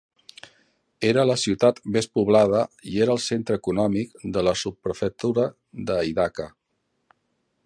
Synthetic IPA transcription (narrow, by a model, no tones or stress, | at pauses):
eɾələsiwt̪at̪bespuβlað̞əieɾəːlˠsent̪ɾəːkunɔmik̚d̪ələsupːɾəfək̚t̪uɾə | d̪əiðakə